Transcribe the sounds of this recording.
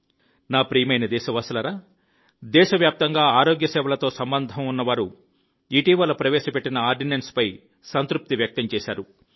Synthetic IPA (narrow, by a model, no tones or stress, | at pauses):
naːpɾiːjɐmɐjnɐd̪ɛːʃɐʋɐsɐlɐɾaː | d̪ɛːʃɐʋjaːp̚t̪ɐŋɡaːaːɾo̞ːɡjɐsɛːʋɐlɐt̪o̞ːsɐmbɐnd̪ʱɐmunːɐʋaːɾu | iʈiːʋɐlɐpɾɐʋɛːʃɐpeʈːinɐaːɾɖinenspɐj | sɐnt̪ɾup̚t̪iʋjɐk̚t̪ɐmt͡ʃɛːʃaːɾu